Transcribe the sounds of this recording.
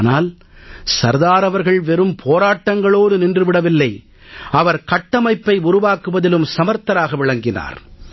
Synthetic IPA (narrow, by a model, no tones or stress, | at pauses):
naːl | sɐɾðaːɾɐʋɐɾɣɐɭʋɛɾɯmpʰoːɾaːʈːɐŋɡɐɭoːðɯnɪndrɯʋɪɽɐʋɪlːɐɪ | ɐʋɐɾkɐʈːɐmɐɪpːɐɪʊɾʊʋaːkɯʋɐðɪlɯmsɐmɐɾt̪ɐɾaːɣɐʋɪɭɐŋɡɪna̰ːɾ